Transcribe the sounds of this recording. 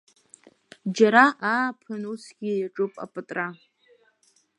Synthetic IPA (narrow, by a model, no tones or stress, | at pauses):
d͡ʒaɾaʔaːpʰɨnusɡʲijaʈ͡ʂʼɨpʼa̰pʼɨtʼra